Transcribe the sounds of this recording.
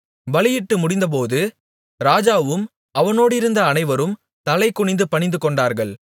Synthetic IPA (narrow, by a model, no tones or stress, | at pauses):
ʋɐɭɪjɪʈːɯmʊɽɪnd̪ɐp̬oːðɯ | ɾaːd͡ʒaːʋɯm | ɐʋɐnoːɽɪɾɯnd̪ɐːnɐɪʋɐɾɯm | t̪ɐlɐɪkʊɳɪnd̪ɯpɐɳɪnd̪ɯkɔɳɖaːɾɣɐɭ